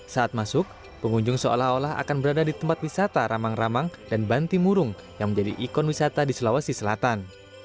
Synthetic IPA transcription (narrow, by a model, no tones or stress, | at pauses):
saat̪̚masʊk̚ | pəŋuɲd͡ʒʊŋsəo̰laholaɦa̰kanbəɾadadit̪əmpat̪̚wisat̪aɾamaŋramaŋdanbant̪imuɾʊŋ | jaŋməɲd͡ʒadḭʔikɔnwisat̪adisəlawasisəlat̪an